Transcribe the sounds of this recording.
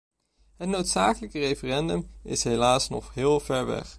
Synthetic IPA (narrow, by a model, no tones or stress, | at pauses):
ɦətnowtsaːkələkərejfərɛndəmɪ̰sɦelaːsnɔχɦɪːlˠv̥ɛɹʋɛ̰χ